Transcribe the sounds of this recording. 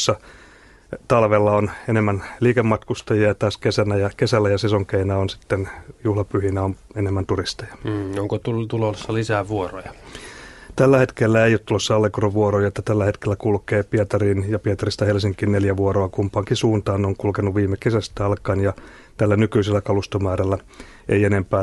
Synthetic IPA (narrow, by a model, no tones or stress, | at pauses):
sːɑ | t̪ɑlʋelːɑonenemːænliːkemːɑt̪kust̪ɑjiɑt̪ɑːskesænæjɑkesælːæjɑsesoŋkeinæonsi̥t̪ːenjuhlɑpyhinæomenemːænt̪urist̪ɑjɑ̥oŋkot̪ult̪ulosːɑlisæːʋuoro̰jɑ | t̪ælːæhet̪kelːæeijot̪ulosːɑɑlːekoroʋʋuorojɑet̪ːæt̪ælːæhet̪kelːækulkeːpiɑt̪ɑrinjɑpiɑt̪ɑrist̪ɑhelsiŋkinneljæʋuoroɑkumpɑːŋkisuːnt̪ɑːnoŋkulkenːuʋʋiːmːekesæst̪æɑlkɑnjɑ | t̪ælːænykyiselːækɑlust̪omæːɾælːæ | eienempæː